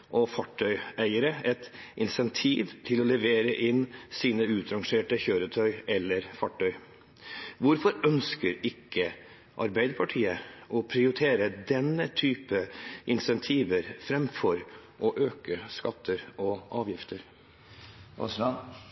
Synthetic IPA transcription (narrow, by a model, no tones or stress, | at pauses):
ʔɔfɑʈʰːœʏæɪəɾəɛt̪ʔɪnsɛnt̪ʰḭːʋt̪ʰɪlɔlɛʋeːɾəʔɪnsiːnəʉːt̪ʰɾɑŋʂeːʈəçøːɾət̪ʰœʏɛlːəɾfɑʈʰːœʏ | ʋʊɾfɔɾœnskəɾɪkːə | ʔɑɾbæɪd̪əɾpʰɑʈʰiːəɔpʰɾɪʊɾɪt̪ʰeːɾəd̪ɛnːət̪ʰyːpəʔɪnsɛnt̪ʰiːʋəɾfɾɛmfɔɾʔɔʔøːkəskɑt̪ʰːəɾɔʔɑːʋjɪft̪ʰəɾ | ɔ̰sɑ